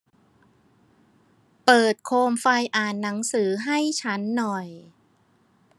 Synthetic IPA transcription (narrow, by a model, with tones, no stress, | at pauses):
pɤː˨˩t̪̚kʰoː˧mfa˧jʔaː˨˩nːa˩˦ŋsɯː˩˦ɦa˥˩jt͡ɕʰa˦˥nːɔ˨˩j